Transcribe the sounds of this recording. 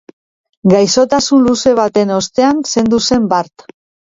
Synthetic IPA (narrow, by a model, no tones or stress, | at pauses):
ɡajso̞t̪asunluse̞β̞at̪e̞no̞st̪e̞anse̞nd̪use̞mbaɾt̪